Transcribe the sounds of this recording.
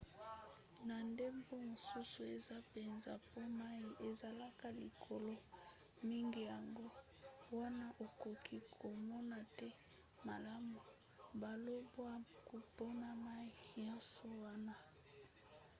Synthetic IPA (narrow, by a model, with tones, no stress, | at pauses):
na˨nde˦mbo˦mo˨su˦su˨e˨za˦pe˨nza˨po˦ma˦i˨ʔe˨za˨la˦ka˨li˨kʰo˨lo˦ | mi˦ŋɡi˨ja˨ŋɡo˦ | wa˦na˦ʔo˨ko˨kʰi˦kʰo˨mɔ˦na˨tɛ˦ | ma˨la˦mu˨ | ba˨lo˦bwa˦ku˨po˦na˨ma˦i˨ɲɔ˦so˨wa˦na˦